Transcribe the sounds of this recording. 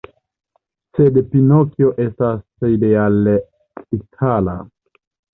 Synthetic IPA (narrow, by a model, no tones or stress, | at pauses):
sedpinokjoʔe̞staseideal | itʰala̰